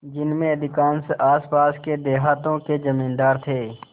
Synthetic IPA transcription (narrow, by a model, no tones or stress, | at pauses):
d͡ʒɪnmẽəd̪ʱɪkaːnsaːspaːsked̪eːɦaːt̪õked͡ʒəmĩːnd̪aːɾt̪ʰeː